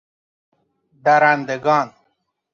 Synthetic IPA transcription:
d̪aɾand̪eɡɑːn

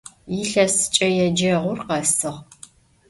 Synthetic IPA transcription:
iɬɐsɨ̥t͡ʃʼɐjɛd͡ʒɐʁʷʊrqɐsɨʁ

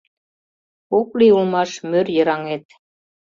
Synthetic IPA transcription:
okliulmɑʃmørjəɾɑŋet̪̚

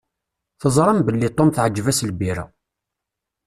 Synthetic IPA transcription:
θəzˤɾˤɑmbəlːit̪ˤːomθʕəd͡ʒːvæslbiɾæ̰

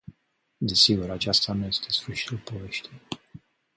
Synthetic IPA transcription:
d̪esiɡuɾat͡ʃast̪anuje̞st̪ʰesfəɾʃi̥t̪ulpo̞ve̞ʃt̪ʲi

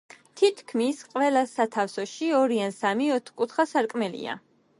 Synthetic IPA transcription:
t̪ʰit̪ʰkʰmisqʼvɛlˠasat̪ʰafsɔʃiɔɾiansamiɔt̪ʰχkʼut̪ʰχasaɾkʼmɛlḭa̰

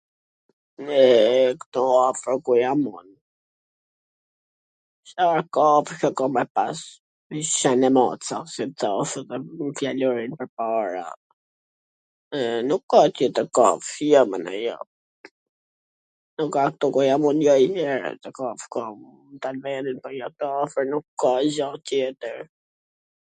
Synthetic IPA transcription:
ɛkt̪ɔafɾɔkujamɔn | ʃaɾkɔfkɔkɔmɛpas | iʃɛnɛmat͡sasit̪asəðɛmflalɔɾinpəɾpaɾa̰ | nukːat̪jɛt̪əɾkafjɔmə̰na̰jɔ̰ | nukːak̚t̪ɔkɔjamunjɔjhɛɾɛ̰t̪əkafkɔ | t̪alvɛninpɔjɔt̪əafəɾnukːazɔt̪jɛt̪əɾ

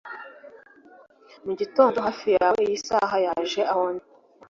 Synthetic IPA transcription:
muɟito̞ːndoɦafijaweijisaːɦajaʒe̞ʔahoni

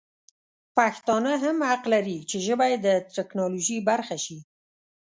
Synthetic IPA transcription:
paxt̪ɑnəɦamhaqlaɾit͡ʃeʒəbaj̪ːət̪ɪknɑloʒibaɾxaʃi

